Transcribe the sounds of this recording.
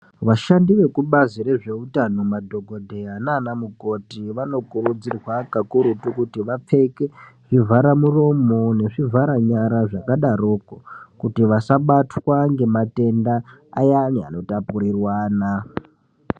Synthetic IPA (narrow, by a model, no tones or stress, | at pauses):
ʋaʃandiʋe̞kuɓazire̞ʐe̞utanomadʱo̞ɡʱo̞dʱe̞ananamukotiʋano̞kuɾud͡zirwakakuɾutukutiʋap͡fe̞ke̞ | ʐ̥ivʱaɾamuro̞mo̞ne̞ʐivʱaɾaɲaɾaʐakaɗarokokutiʋasaɓatwaŋɡe̞mate̞ndaːjania̰no̞tapuɾirwaːna